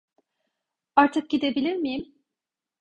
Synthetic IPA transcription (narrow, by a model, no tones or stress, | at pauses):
aɾt̪ʰɯk̚ɟid̪e̞bilʲiɾmijim